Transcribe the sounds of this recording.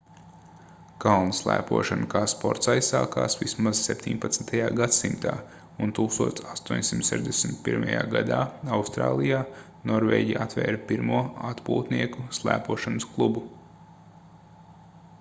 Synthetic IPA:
kalˠnuslˠæ̰ːpuɔʃankaːspɔɾt̪sajssaːkaːsʋismaz̥sepʲt̪ʰʲiɲpat̪snt̪ʰajaːɡat̪simt̪a̰ː | unt̪uːkst̪uɔt̪sast̪uɔɲʲsimt̪sɛʒd̪ɛsmt̪̚piɾmaja̰ːɡad̪aːawst̪ɾa̰ːlˠijaː | nɔɾvɛ̰ːɟiat̪vɛ̰ːɾpiɾmuɔa̰t̪pṵːt̪niɛkuslˠæ̰ːpuɔʃansklˠubu

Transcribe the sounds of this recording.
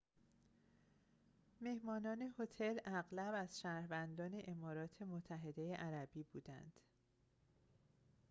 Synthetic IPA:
me̞hmɒːnɒːne̞ho̞t̪ʰe̞læɣlæbæz̥ʃæːɾvænd̪ɒːne̞ʔemɒːɾɒːt̪ʰe̞mot̪ʰːæɦe̞d̪e̞jeʔæɾæbiːbuːd̪æ̰nd̪̥

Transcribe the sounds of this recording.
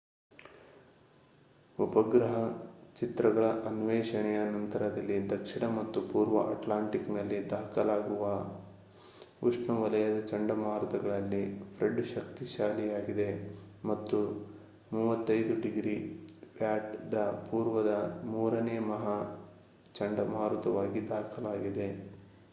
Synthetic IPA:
upɐɡɾɐɦɐt͡ʃit̪ɾɐɡɐɭɐʔɐnʋɛːʃɐɳɛjɐnɐnt̪ɐɾɐd̪ɐlːid̪ɐkʂiɳɐmɐt̪ːupuːɾʋɐʔɐ̰ʈlaːɳʈiknɐlːid̪aːkɐlaːɡuʋɐ | uʂɳɐʋɐlɐjɐd̪ɐt͡ʃɐɳɖɐmaːɾɐt̪ɐɡɐɭɐlːipʰɾeɖuʃɐkt̪iʃaːlijaːɡid̪e̞ | mɐt̪ːu | muːʋɐt̪ːɐjd̪uɖiɡɾiːʋjaːʈd̪ɐpuːɾʋɐd̪ɐmuːɾɐneːmɐɦa | t͡ʃɐɳɖɐmɦaːɾut̪ɐʋaːɡid̪aːkʰɐlaːɡid̪e̞

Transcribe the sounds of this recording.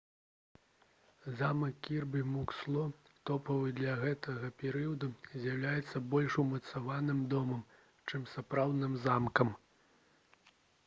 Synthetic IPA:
zamɐkːʲirbɨmukslˠɔ | t̪ɔpɐvɨd̪lʲɐɣɛt̪ɐɣɐpʲɛɾɨjɐd̪uzʲjawlʲajɛt̪sːɐbɔlʲʂumɐt̪savanɨmd̪ɔmɐm | t͡ʂɨmsapɾawd̪nɨmzamkɐm

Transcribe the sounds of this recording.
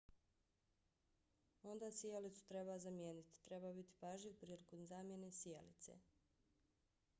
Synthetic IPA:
o̞nd̪asijelit̪su̥t̪ɾebazamjeːnit̪i̥t̪ɾe̞baːbit̪i̥paʒipɾiːlikomzaːmje̞nesijelḭt̪sḛ

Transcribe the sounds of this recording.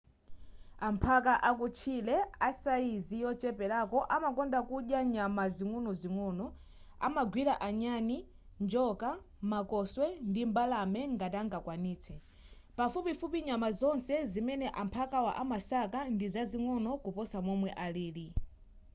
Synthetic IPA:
ampʰak̬aʔak̬ut͡ʃʰilɛasaizijɔt͡ʃɛpɛɾakɔʔamakɔndakuɗjaɲamaziŋɔnɔziŋɔːnɔ | a̰maɡwiɾaʔaɲani | nd͡ʒɔka | makɔswɛndimbalamɛŋɡataŋɡakwaniːt͡sʰɛ | pafupifupiɲamazɔnsɛzimɛnɛʔampʰakawa̰ʔamasakandizaziŋɔnɔkupɔsamɔmwɛʔaliːɾi

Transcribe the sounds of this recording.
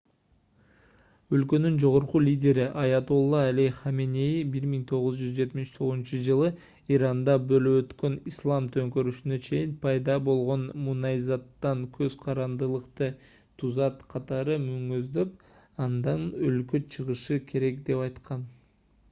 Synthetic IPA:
ø̞lkø̞nynd͡ʒo̞ʁo̞ɾqulʲidʲe̞ɾiʔɑjɑt̪ulˠːɑːlʲijχamʲenʲejbiɾmiŋt̪ʰo̞ʁuzd͡ʒyzd͡ʒe̞t̪miʃt̪ʰo̞ʁzunt͡ʃud͡ʒɯlˠɯ | iɾɑnd̪ɑbølyøt̪kø̞nislˠɑmt̪ʰø̞ŋkø̞ɾyʃynø̞t͡ʃʰe̞jinpʰɑjd̪ɑbo̞lˠʁo̞nmunɑizɑt̪ːɑŋkʰø̞zqʰɑɾɑnd̪ɯlˠɯqt̪ɯ | t̪ʰuzɑt̪qʰɑt̪ɑɾɯmyŋøzd̪ø̞p | ɑnd̪ɑnølkøt͡ʃʰɯʁɯʃɯkʰe̞ɾe̞kd̪e̞pɑjt̪qɑn

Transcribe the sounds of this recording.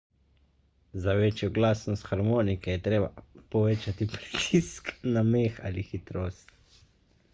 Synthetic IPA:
zaʋeːt͡ʃjɔɡlaːsnɔst̪xaɾmoːnikɛjɛt̪ɾeːba̰pɔʋeːt͡ʃat̪ipɾit̪ʰisknameːxa̰lixit̪ɾoːst̪

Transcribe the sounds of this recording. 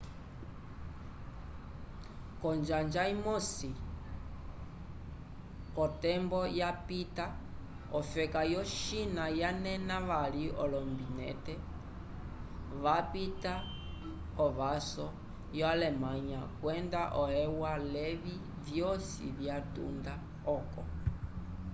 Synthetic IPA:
kɔnd͡ʒand͡ʒaimɔsi | kɔtɛmbɔjapita | ɔfɛkajɔʃinajanɛnaʋaliʔɔlɔmbinɛ̰tɛ | ʋapita | ɔʋasɔ | jɔalɛmaɲakwɛndaʔɔhɛwalɛβi | vjɔsḭvjatṵnda | ɔkɔ

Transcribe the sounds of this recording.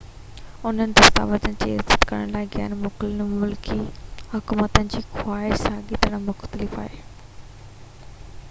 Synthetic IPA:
ʊn̤ənɪ̆d̪ɐst̪a̰ːʋəzənɪ̆d͡ʑiːɪ̰zət̪kɐɾəɽ̃laːɪɡa̰ːnmʊklɪnmʊlkʰihʊkuːmət̪ənɪ̆d͡ʑiːxwaːɪʃsaɠit̪əɽ̃mʊxt̪əlɪfa̰ːɦe

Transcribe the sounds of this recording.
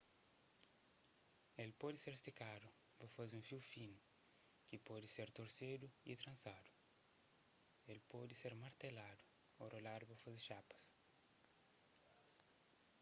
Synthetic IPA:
elpɔd̪ɪseɾst̪ikad̪u | pɐfaziũfiwfin | kipɔd̪iseɾt̪oɾsed̪uḭt̪ɾɐ̃nsad̪u̥ | elpɔd̪iseɾmaɾt̪elad̪u | oɾolad̪upɐfaziʃapɐ̥s

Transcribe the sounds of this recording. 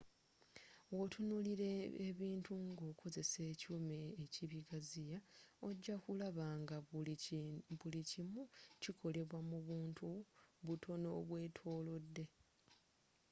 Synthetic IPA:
wo̞tʰunuliɾeeβiːntuŋɡokʰo̞ze̞se̞ːcumeːciβiɡazijao̞ɟːakulaβaːŋɡa | βulicimucikʰo̞le̞βwamuβuːntʰuβutʰo̞no̞βwe̞ːtʰo̞ːlo̞dːe̞

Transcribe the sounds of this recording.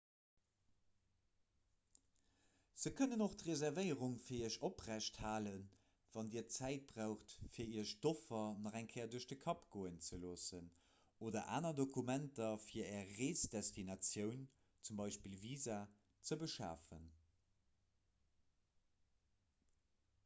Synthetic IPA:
z̥əkʰənənoχtʁezæʁvəɪəʁuŋfiːɐiəʃopʁæʃthaːlən | vɑndiːɐt͡sæɪt̚b̥ʁaːʊχtfiːɐiːɐʃtofɐnɑʁæŋkʰɛːɐduɐʃd̥əkʰɑpɡ̥oːənt͡səloːsən | oːdɐʔa̰ːnɐdokʰumæntɐfiːɐɛːɐʁeːsdɛstinɑt͡sjəʊn | t͡sumbɑɪʃpiːlviːzaː | t͡səbəʃa̰ːfə̰n

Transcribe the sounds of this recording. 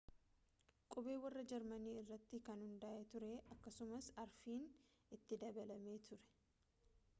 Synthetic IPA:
kʼʊbe̞ːwɐrːɐd͡ʒɛɾmɐniːɪrːɐt̪ːɪkɐnhʊnd̪ɐʔɛt̪ʊɾɛʔɐkːɐsʊmɐsɐɾfiːn | ɪt̪ːɪd̪ɐbɐlɐme̞ːt̪ʰʊɾɛ̥

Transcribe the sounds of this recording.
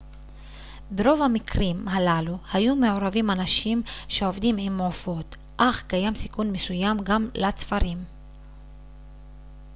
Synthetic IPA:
beʁo̞vhamikʁimɦalaluhajume̞oʁavimanaʃimʃe̞o̞vd̪imimofo̞t̪ | ʔaχkajamsikunmesujamɡamlat͡sfaɾim

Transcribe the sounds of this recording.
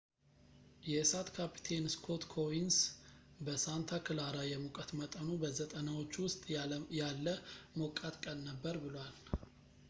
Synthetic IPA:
jɛsat̪kʰapʰi̥t̪ʰe̞nskʰo̞t̪kʰo̞insbəsant̪ʰakʰɨlaɾajɛmukʼət̪mət̪ʼənubəzət̪ʼənawo̞t͡ʃːwʊst̪ʼjalːəmokʼat̪kʼənnəbːəɾbɨlwal

